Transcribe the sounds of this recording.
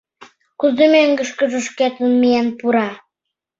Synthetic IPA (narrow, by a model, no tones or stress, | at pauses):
kuzemeŋɡə̆ʃkə̆ʒə̆ʃket̪ənmijænpuɾɑ